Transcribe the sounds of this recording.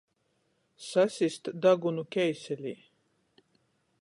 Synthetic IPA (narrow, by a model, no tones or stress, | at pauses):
sasʲist̪d̪aɡunukʲɛjsʲɛlʲiː